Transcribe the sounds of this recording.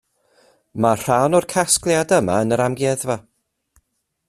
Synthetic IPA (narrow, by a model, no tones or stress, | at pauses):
mar̥awnɔrkʰasklˠjadəma̰ənəɾamɡjɛðva